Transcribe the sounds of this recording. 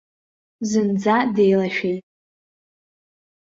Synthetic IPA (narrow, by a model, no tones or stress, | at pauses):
zɨnd͡zadejlaʃᶣijtʼ